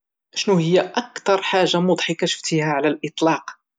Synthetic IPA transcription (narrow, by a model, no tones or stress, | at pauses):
ʃnuhəjːaʔakt̪ɑɾˤħaʒːamʊd̪ˤħikæʃə̥ft̪ihæʕlælʔət̪ˤlɑq